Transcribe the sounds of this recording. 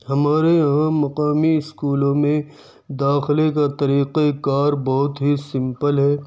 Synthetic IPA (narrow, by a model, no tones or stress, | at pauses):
hɐmaːɾejɐɦãmːɐqaːmiɪskuːlõmẽ | d̪aːxɪlekat̪ɐɾiːqekaːɾbɐɦʊt̪ɦisɪ̃mpəlɦɛː